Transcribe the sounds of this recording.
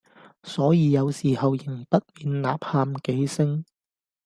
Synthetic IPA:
sɔː˨˥jiː˨˧jɐ˨˧wsiː˨˩hɐ˨wjɪ˨˩ŋpɐ˥t̚miː˨˧nla̰ː˨˧˥p̚haː˧mke˨˥jsɪ˥ŋ

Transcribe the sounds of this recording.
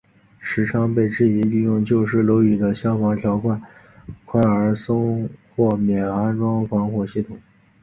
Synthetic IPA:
ʂɻ̩˧˥ʈ͡ʂʰɑ˥ŋpe˥˧ɪʈ͡ʂɻ̩˥˩i˧˥li˥˧jʊ˥˧ŋt͡ɕjo˥˧ʊʂɻ̩˥˩lo˧˥ʊy˨˩d̪ə˦ɕjɑ˥ʊfɑ˧˥ŋt̪ʰjɑ˧˥ʊkʰwa˥˩n | kʰwa˧˥ə˞˧˥sʊ˥ŋxwɔ˥˩mjɛ˨˩na˥nʈ͡ʂwɑ˥ŋfɑ˧˥ŋxwɔ˨˩ɕi˥˩t̪ʰʊ˨˩˦ŋ

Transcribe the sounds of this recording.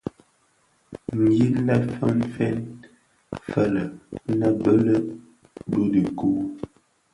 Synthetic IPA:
m˨ɡi˦lə˦fə˦nfɛ˦n | fə˦˨lə˨˦nə˦bə˦lə˦ | bu˦di˨ku˦

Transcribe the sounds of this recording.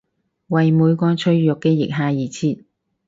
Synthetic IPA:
wɐ˨jmuː˨˧jkɔː˧t͡ʃʰɵ˧ɥjʊ˨kːɛː˧jɪ˨k̚ɦaː˨˧jiː˨t͡sʰiː˨t̪̚

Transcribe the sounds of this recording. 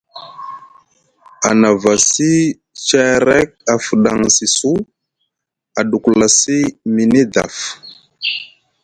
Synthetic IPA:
a˨na˨va˨si˦ | t͡ʃɛ˦ɾe˦k̚a˨fu˨ɗa˨ŋsi˨su˦ | a˨ɗu˨kla˨si˦mi˨ne˦da̰˨f

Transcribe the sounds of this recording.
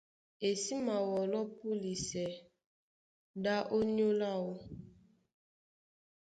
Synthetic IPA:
e˨si˦ma˨wɔ˨lɔ˦pu˦li˨sɛ˨ | da˦ʔo˦ɲo˦la˦˨wo˦

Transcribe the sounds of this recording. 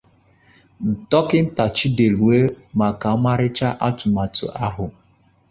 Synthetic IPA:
n̩˨tɔ˦kɪ˦n̩˦ta˨t͡ʃi˦de˨ɾu˨e˦ | ma˨ka˨˦ma˦ɾɪ˦t͡ʃa˦ʔa˦tʊ˨ma˨tʊ̰˨ʔa˦ɦʊ˨

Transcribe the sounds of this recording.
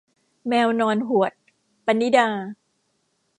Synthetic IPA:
mɛː˧wnɔː˧nɦu˨˩ət̪̚ | pa˧nːi˦˥daː˧

